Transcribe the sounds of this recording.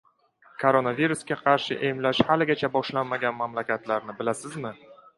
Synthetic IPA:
kʰoɾonaviɾusɡʲaqʰɑɾʃɪ̰ʔemlaʃhalɪɡʲat͡ʃʰabɒʃlanmaɡʲanmamlakʲat̪laɾnɪbɪlasɪzmɪ

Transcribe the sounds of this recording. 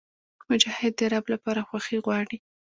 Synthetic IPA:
mʊd͡ʒɑhɪd̪̚ːəɾɑblapɑɾaxwaxiɣwɑɽi

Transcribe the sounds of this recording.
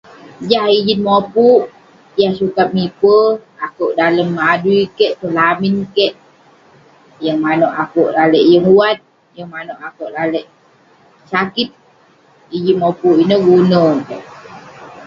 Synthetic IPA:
d͡ʒahid͡ʒin̚mopuʔ | jahsukap̚mipəakəʔdaləmːaduikəʔtəlaminkəʔ | jəŋmanoʔakoʔlaləʔjəŋuat̪̚ | jəŋmanoʔakoʔlaləʔ | sakit̪̚ | id͡ʒinmopuʔinəhɡunəkeʔ

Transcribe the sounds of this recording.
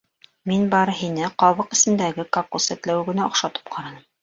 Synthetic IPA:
minbɑɾɤhinɘqɑβɤqɘ̆sɘ̆nd̪æɡɘkakuset̪læwɘ̆ɡɘ̆næoqʃɑt̪ɤ̥p̚qʰɑɾɑnɤm

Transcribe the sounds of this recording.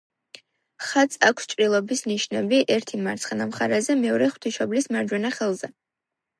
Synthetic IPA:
χat̪sʼʰakʷʰst͡ʃʼɾilˠɔbisniʃnɛbiʔɛɾt̪ʰimaɾt̪sʰχɛnamχaɾɛzɛmɛɔɾɛχw̥t̪ʰiʃɔblismaɾd͡ʒwɛnaχɛlˠzɛ

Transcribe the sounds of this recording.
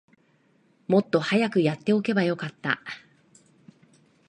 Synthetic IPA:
mo̞t̪ːo̞hajakɯ̟jat̪ːe̞o̞ke̞bajo̞kat̪ːa̰

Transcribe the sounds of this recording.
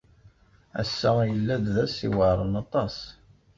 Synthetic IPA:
æ̰sːæjəlːæððæsḭwəɾˤənɑt̪ˤɑs

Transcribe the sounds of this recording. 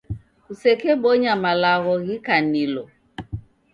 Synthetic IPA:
usekeɓɔɲamalaɣɔɣikanilɔ

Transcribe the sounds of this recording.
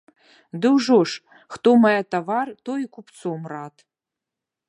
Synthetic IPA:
d̪ɨwʐɔʂ | xt̪ɔmajat̪avart̪ɔikupt̪sɔmrat̪

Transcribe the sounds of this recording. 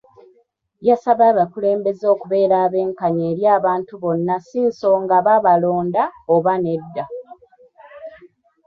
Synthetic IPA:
jasaβaːβakule̞ːmbe̞zo̞ːkuβe̞ːɾaːβe̞ːŋkaɲeːɾjaːβaːntuβo̞nːasiːnso̞ŋɡaβaβalo̞ːndaoβane̞dːa

